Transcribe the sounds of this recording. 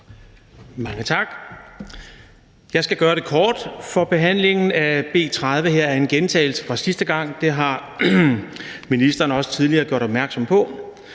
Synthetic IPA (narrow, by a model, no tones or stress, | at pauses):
mɑ̈ŋət͡sʰɑ̈ɡ̥ | jɑ̈ɪsɡ̥æɡ̥ɶːɐɾ̥e̝kʰɒːd̥fɒ̽b̥e̝ɦæn̰le̝ŋn̩æb̥e̝̰ːt͡sʰʁað̞ˠʋəɦeɐ̰æɐe̝nɡ̥ent͡sʰɛ̰ːl̩sə̥fʁɑ̈sisd̥əɡ̥ɑ̈ŋ̰d̥e̝ɦɑ̈ | minisd̥ɐːnəɒ̽sə̥t͡sʰið̞ˠliɐːɡ̥jo̝ɐɾ̥ɒ̽b̥̚mæɐɡ̥sɒ̽mpʰɒ̽